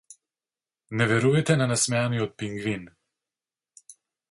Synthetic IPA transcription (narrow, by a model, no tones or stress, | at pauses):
nɛʋɛɾuːjɛt̪ɛnanasmaːniɔt̪̚piŋɡʋin